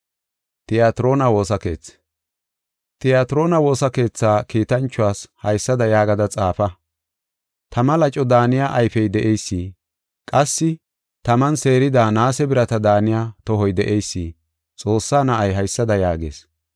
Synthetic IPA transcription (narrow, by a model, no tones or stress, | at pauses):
t̪ʼɪjaːt̪ɪɾo̞ːnɐwo̞ːsɐke̞̰ːt͡s | t̪ʼɪjaːt̪ɪɾo̞ːnɐwo̞ːsɐke̞ːt͡sːaːkiːt̪ɐnt͡ʃːʊwaːshɐjsːɐd̪ɐjaːɡɐd̪ɐt͡sʼaːfɐ | t̪ʰɐmɐlɐt͡ʃʼɔd̪aːnɪjaʔɐjfɛjd̪ɛʔejsːiː | kʼɐsːɪ | t̪ɐmɐnse̞ːɾɪd̪aːnaːsɛbɪɾɐt̪ɐd̪aːnɪjaːt̪ɔɦɔjd̪ɛʔejsːiː | t͡sʼo̞ːsːaːnɐʔɐjɦɐjsːɐd̪ɐjaːɡḛːs